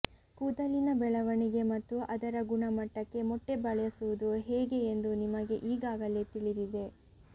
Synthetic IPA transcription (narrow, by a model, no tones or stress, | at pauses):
kuːd̪ɐlinɐbɛɭɐʋɐɳiɡe̞mɐt̪ːuʔɐd̪ɐɾɐɡuɳɐmɐʈːɐkːe̞mɔʈːe̞bɐɭɐjɐsuʋud̪uɦɛːɡe̞ːnd̪unimɐɡe̞ʔiːɡaːɡɐlet̪iɭid̪id̪e̞